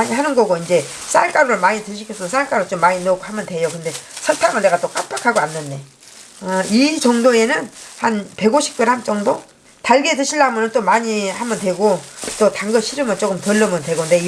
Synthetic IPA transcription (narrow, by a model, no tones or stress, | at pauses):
aɲihanɯnɡʌɡoind͡ʑe̞ | s͈aɭk͈aɾoɾɯɭmaɲitɯɕʰikʰʌs͈ʰʌnɯns͈aɭk͈aɾoɭt͡ɕ͈omːaɲinoɡʰohamjʌndwe̞jokɯnde̞sʰʌtʰaɡɯɭne̞ɡat͈ok͈apʰakʰaɡoanːɯnde̞ | ʌit͡ɕʌŋdoe̞nɯnhanpe̞ɡoɕʰi̥k̚t͈ɯɭhant͡ɕ͈ʌŋdo | taɭɡetɯɕʰilːamjʌnɯnt͈omaɲihamjʌndwe̞ɡot͈otaŋɡʌɕʰiɾɯmɯɭt͡ɕ͈ok͈ɯmtɯɭːʌmjʌndwe̞ɡonde